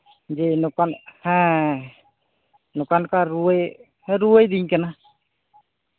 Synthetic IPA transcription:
d͡ʒenukanhɛ̃ | nukankaɾuəj̃ | ɾuəjd̪iɲkɛna

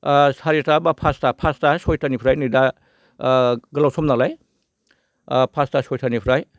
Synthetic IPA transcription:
saɾitabapʰastapʰastasɔjtʰanipʰɾajnida | ɡɐlawsɔmnalaj | pʰastasɔjtʰanipʰɾaj

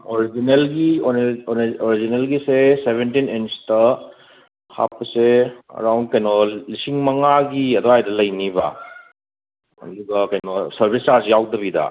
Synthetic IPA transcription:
oɾid͡ʒinelɡionoɾid͡ʒinelɡisesebentinenstɐ | ha̰pːɐseɐ̰ɾawndkɐjnolisiŋmɐŋaɡiɐdoajdɐlɐjnibɐ̰ | ɐ̰duɡɐkɐjnosɐɾbʱistasijawdɐbidɐ̰

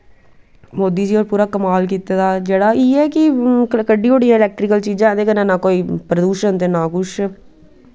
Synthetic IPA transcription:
moːd̪iːd͡ʒiːɔːɾpuːɾaːkəmaːlkiːt̪eːd̪aːd͡ʒeːɽaːiːɛːkɪkəɖiːoɽijãːɪlɛːk̚ʈɾɪkəlt͡ʃiːd͡ʒãːnd̪eːkənãːnãːkoːiːpɾəd̪uːʃənt̪eːnãːkʊʃ

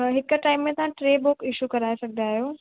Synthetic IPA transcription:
ɦɪkʈaːɪmːẽt̪ɐʋãʈɾeːbʊkɪʃukɐɾaːesɐɡʱd̪aːɦijoː

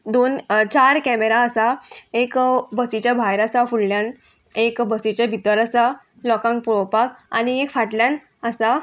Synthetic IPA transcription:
d̪ont͡ɕaɾkɛmeɾaːsaekbəsit͡ɕjabʱajɾasafuɽljãn | ekbəsit͡ɕabʱit̪əɾəsa | lɔkãŋk̚puɭɔpaka̰niekfaʈljãn | əsa

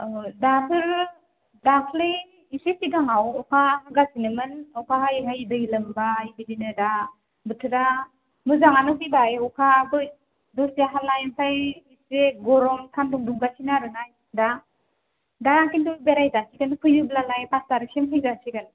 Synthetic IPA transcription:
dapʰɯɾ | dakʰlɯj | isesiɡaŋawɔkʰaɦaɡasinɯmɯnɔkʰaɦajɦajidɯilɯmbaibidinɯda | bɯtʰɯɾa | mɯzaŋanɯɦɯjbajɔkʰabɯ | dɔsjaɦalajmpʰajiseɡɔɾɔmtʰanduŋduŋɡasinaɾɯnaj | da | daakindubeɾajzasiɡɯnkʰɯjɯblalajpastaɾɯkʰemkʰɯjzasiɡɯn

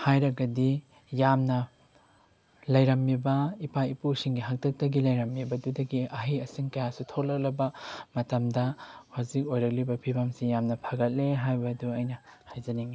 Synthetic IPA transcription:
hajɾɐɡɐdi | jamnɐ | lɐjɾɐmːibɐipaipusiŋɡiɦak̚tɐk̚tɐɡilɐjɾɐmːibɐdudɐɡiɐɦijɐsiŋkɐjasutʰok̚lɐk̚lɐbɐmɐtɐmdɐhazik̚ojɾɐk̚libɐpʰibɐmsijamnɐpʰɐɡɐt̚leɦajbɐduɐjnɐhajzɐniŋi

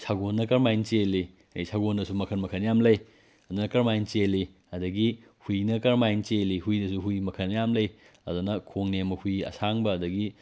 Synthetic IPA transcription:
sʰaɡonːɐkɐɾmajnt͡ʃelːi | ɐsʰaɡondɐsumɐkʰɐnmɐkʰɐnjamlɐj | ɐdunɐkɐɾmajnt͡ʃelːi | ɐdɐɡi | hujnɐkɐɾmajnt͡ʃelihujdɐsuɦujmɐkʰɐnːɐjamlɐj | ɐdunɐkʰoŋnemɐhujɐ̰saŋbɐːdɐɡi

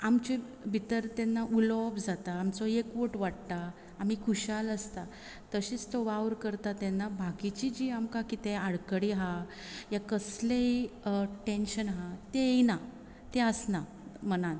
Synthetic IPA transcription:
amt͡ɕe | bʱit̪əɾt̪enːaʔulɔbd͡zat̪aːmt͡sɔekʋoʈʋaɽt̪aː | m̤ikʰuɕaləst̪a | t̪əɕiːt͡st̪ɔʋawɾkəɾt̪at̪ɛnːabʱakit͡ɕid͡ʑiːamkakit̪ẽaɽkəɽiɦa | jakəsleiʈenɕənɦat̪ejna | t̪eəsna | mənan

